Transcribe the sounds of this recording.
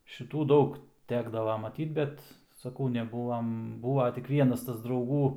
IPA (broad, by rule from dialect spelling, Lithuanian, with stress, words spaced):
ʃʲɪˈtuː ˈdɐʊk ˈtʲæːɡdɐʋɐ mɐˈtʲiːt ˈbʲɛt sɐˈkɐʊ nʲɛˈbuːʋɐm ˈbuːʋɐ tʲɪk ˈʋʲiɛnɐs ˈtɐs drɐʊˈɡuː